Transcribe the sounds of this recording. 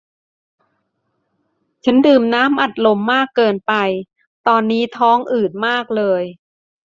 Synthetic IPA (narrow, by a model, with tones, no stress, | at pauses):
t͡ɕʰa˦˥ndɯː˨˩mnaː˦˥mʔa˨˩t̪̚lo˧mːaː˥˩kːɤː˧npa˧j | t̪ɔː˧nːiː˦˥t̪ʰɔː˦˥ŋʔɯː˨˩t̪̚maː˥˩k̚lɤː˧j